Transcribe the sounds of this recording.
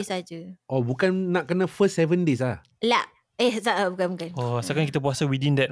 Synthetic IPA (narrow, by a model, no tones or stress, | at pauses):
sad͡ʒəʔɔbukanːãʔ̚kənãfəssɛvəndes̬lah | laʔ | ɛhsaʔabukanbukanɔasakaŋkit̪apuasawidĩndɛt̚